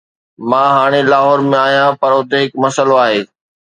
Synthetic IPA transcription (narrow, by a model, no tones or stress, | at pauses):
mãːɦaːɽ̃elaːɦɔːɾmẽaːɦijãpɐɾʊt̪eɦɪkmɐsəloaːɦeː